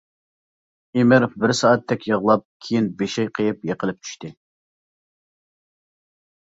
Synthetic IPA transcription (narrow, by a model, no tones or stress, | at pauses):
imɪɾfbɪɾsɑːɑt̪ʰːɛkʲʰjəʁlˠɑp̚kʲʰejinbeʃɛjqʰəjɨpjeqəlˠɨp̚t͡ʃ̪ʰy̥ʃt̪ɪ